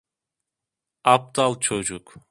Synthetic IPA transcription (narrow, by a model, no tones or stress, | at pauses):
ɑp̚t̪ɑlˠt͡ʃʰod͡ʒuk